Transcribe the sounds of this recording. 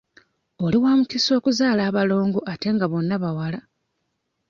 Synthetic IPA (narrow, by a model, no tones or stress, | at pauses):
o̞liwaːmukiso̞ːkuzaːlaːβalo̞ːŋɡoʔate̞ŋɡaβo̞nːaβawala